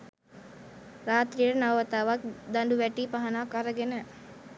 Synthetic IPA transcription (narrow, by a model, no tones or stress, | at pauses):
ɾaːt̪ɾijəɾənaʋət̪aːʋak̚d̪anduʋæʈiːpaɦanaːkaɾəɡenə